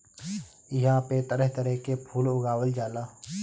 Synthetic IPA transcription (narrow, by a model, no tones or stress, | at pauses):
ɪɦãpet̪əɾəɦt̪əɾəɦkepʰuːlʊɡaːwəld͡ʒaːlaː